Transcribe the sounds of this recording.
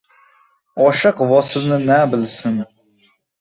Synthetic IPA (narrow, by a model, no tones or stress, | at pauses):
ɒʃɨqvɒsɪlnɪnæbɪlsɪn